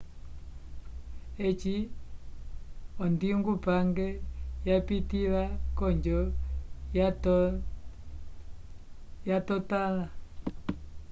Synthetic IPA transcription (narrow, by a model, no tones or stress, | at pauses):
ɛt͡ʃi | ɔndiŋɡupaŋɡɛjapitiβakɔɲd͡ʒɔ | jatɔtala